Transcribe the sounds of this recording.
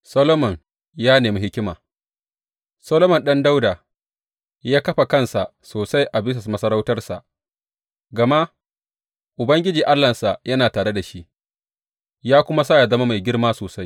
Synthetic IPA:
sɐ˦loː˦mɐ˨n | jaː˦neː˨mi˦hɪ˦kʲɪ˦maː˨ | sɐː˦loː˦mɐ˨nɗɐ˦nda˦wdaː˨ | jaː˦kɐ˦ɸa˨kɐ˦˨nsa˨ʔsoː˨sa˦jʔa˨bɪ˦s̬ɪ˨smɐ˦sɐ˦ɾa˦wtɐ˦rsa̰˨ʔ | ɡɐ˨ma˦ʔ | ʔʊ˨bɐ˦ŋɡʲɪ˦d͡ʒiː˨ʔa˦lːɐ˨sa˨jɐ˦naː˨taː˨ɽe˦da˨ʃi˦ʔ | jaː˦kʷʊ˦ma˦saː˦˨ja˨zɐ˦ma˦ma˨jɡʲɪ˦rmaː˦soː˨sa˦j

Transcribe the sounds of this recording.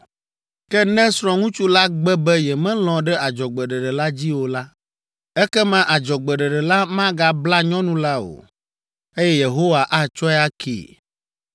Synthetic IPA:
kɛ˦nɛ̃˦sɾɔ̃˨ŋũ˦t͡ʃu˦la˦ɡ͡bɛ˦bɛ˦jɛ˨mɛ̃˦l̃ɔ̃˨ɖɛ˦a˨d͡ʒɔ˨ɡ͡bɛ˨ɖɛ˨ɖɛ˨la˦d͡ʑi˦wo˨la˦ | ɛ˦kɛ˦mã˦ʔa˨d͡ʒɔ˨ɡ͡bɛ˨ɖɛ˨ɖɛ˨la˦mã˦ɡa˨bla˦ɲɔ̃˦nũ˦la˦o̰˨ | e˦jɛ˦je˨ɦo˦wa˨ʔa˦˨t͡ʃɔ˦ɛ˦a˦kʰḛː˨

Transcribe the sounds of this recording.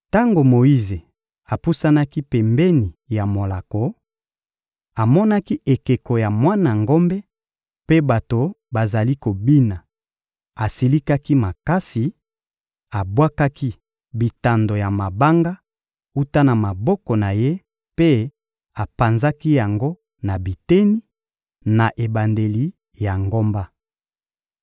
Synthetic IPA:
ta˦ŋɡo˨mo˨i˦ze˨ | a˨pu˦sa˦na˦ki˦pɛ˨mbɛ˦ni˨ja˨mo˨la˨ko˨ | a˨mɔ˦na˦ki˦e˨ke˨ko˨ja˨mwa˦na˨ŋɡo˦mbe˦ | pe˦ba˨to˨ba˨za˨li˦ko˨bi˦na˨ | a˨si˨li˦ka˦ki˦ma˨ka˦si˨ | a˨bwa˦ka˦ki˦ | bi˨ta˨ndo˨ja˨ma˨ba˦ŋɡa˦ | u˦ta˦na˨ma˨bɔ˦kɔ˨na˨je˦ | pe˦ | a˨pa˨nza˦ki˦ja˨ŋɡo˦ | na˨bi˨te˦ni˦ | na˨ʔe˨ba˨nde˨li˦ | ja˨ŋɡo˦mba˦

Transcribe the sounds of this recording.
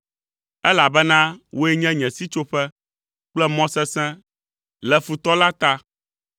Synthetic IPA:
ɛ˦la˨bɛ˦nã˦wo˦ɛ˦ɲɛ̃˦ɲɛ̃˨si˦t͡ʃo˦ɸɛ˦ | k͡plɛ˦mɔ̃˦sɛ˦sɛ̃˦ | lɛ˨fu˨t̪ɔ˦la˦t̪a˦

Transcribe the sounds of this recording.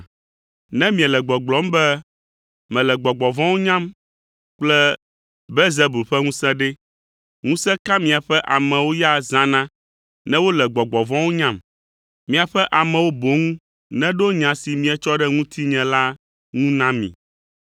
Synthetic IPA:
nɛ̃˦mĩ˨ɛ˨lɛ˨ɡ͡bɔ˨ɡ͡blɔ˨˦m̩˦bɛ˦ | mɛ̃˨lɛ˨ɡ͡bɔ˨ɡ͡bɔ˨vɔ̃˦wo˦ɲã˦m | k͡plɛ˦ | bɛ˦ze˦bu˨ɸɛ˦ŋũ˦sɛ̃˦ɖɛ˦ | ŋũ˦sɛ̃˦ka˦mĩ˨a˨ɸɛ˦ʔa˨mɛ̃˨wo˦ja˦zã˦nã˦ | nɛ̃˦wo˦lɛ˨ɡ͡bɔ˨ɡ͡bɔ˨vɔ̃˦wo˦ɲã˦˨m | mĩ˨a˨ɸɛ˦ʔa˨mɛ̃˨wo˦bo˨˦ŋũ˦ | nɛ̃˦ɖo˦ɲã˨si˨mĩ˨ɛ˨t͡ʃɔ˦ɖɛ˦ŋũ˦t̪ʰi˦ɲɛ̃˨la˦ | ŋũ˦nã˦mḭ̃˨

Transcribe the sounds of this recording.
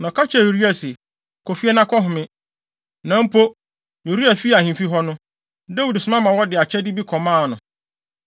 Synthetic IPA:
nɔ̃˨kʰa˦t͡ɕʰɛ˦˨o˨ɾi˦a˨sɪ˨ | kʰɔ˨fi˦ɛ˦nã˦kʰɔ˦ɦʊ̃˨mɪ̃˦ | nã˦m̩˦pʰo˦ | jo˨ɾi˦a˨fi˦a˨hĩ˨mfi˦ɦɔ˦nʊ̃˦ | da˦wu˨dsʊ˦mã˦mã˨wɔ˦dɪ˨a˨t͡ɕʰɛ˦dɪ˦bi˦kʰɔ˨mãː˦˨nʊ̃˨

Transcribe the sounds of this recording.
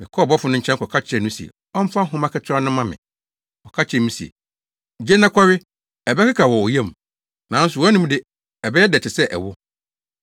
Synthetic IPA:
mɪ̃˨kʰɔ˦˨bɔ˦fʊ˨nʊ̃˦ɲ̩˦t͡ɕʰɛ̃˦ŋ˦kʰɔ˨kʰa˦t͡ɕʰɪ˦ɛ˨nʊ̃˦si˨ḛ˨ | ɔ˦m˦fã˦ɦʊ̃˦mã˦kʰɛ˦tʰa˦nʊ̃˦mã˦mɪ̰̃˨ | ɔ˨kʰa˦t͡ɕʰɛ˨nʊ̃˦si˨ḛ˨ | d͡ʑe˦nã˦kʰɔ˦ɾɪ˦ | ɛ˨bɛ˦kʰɪ˦kʰa˨wɔ˨ɔ˨je˦˨m˨ | nã˨˦n̩˦sʊ˨wɔ˦nũ˦m˦dɪ˦ | ɛ˨bɛ˦ɛ˦dɛ˨t͡ɕʰɪ˨sɛ˦ʔɛ̰˨wʊ˦

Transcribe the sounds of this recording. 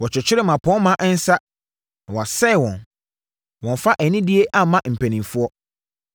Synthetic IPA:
wɔ˨t͡ɕʰᶣɛ˨t͡ɕʰᶣɪ˦ɾɛ˦mã˨pʰɔ̃˦mã˦ʔɛ˦n̩˦sa˦ | nã˨wɔ˨sɛ˦˨wɔ̃˨n | wɔ̃˨n˨fa˦ʔɛ˨nĩ˦dɪ˦e˦ʔa˦mã˦m̩˨pʰæ̃˨nĩ˨mfʊ˦ɔ˦

